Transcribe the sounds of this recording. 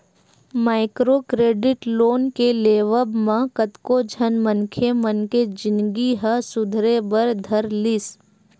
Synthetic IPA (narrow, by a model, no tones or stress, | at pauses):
maːɪkɾoːkɾeːɖɪʈloːnkeleːʋəbmãkət̪kod͡ʒʱənmənkʰemənked͡ʒɪnɡiɦəsʊd̪ʱɾebəɾd̪ʱɐɾlɪs